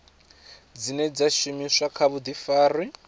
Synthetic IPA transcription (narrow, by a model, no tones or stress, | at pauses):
d͡zinɛd͡zaʃumiʂakʰaβud̪ifaːri